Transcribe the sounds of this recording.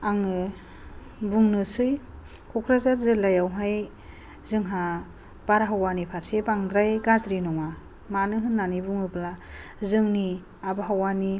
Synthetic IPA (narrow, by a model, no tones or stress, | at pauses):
aŋɯ | buŋnɯsɯj | kʰɔkʰɾazaɾzelːajawɦaj | zɯŋɦa | b̥aɾaɦawanipʰatsebaŋdɾajɡazɾinɔŋa | manɯɦɯnːanibuŋɯblazɯŋni | abaɦawani